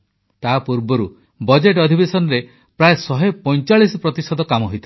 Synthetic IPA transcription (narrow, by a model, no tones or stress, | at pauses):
t̪apuɾbɔɾu | bɔd͡ʒeʈɔd̪ʱibesɔnɔɾe | pɾaesɔɦepɔjt͡ʃaɭisɔpɾɔt̪isɔd̪ɔkamɔɦojt̪ʰi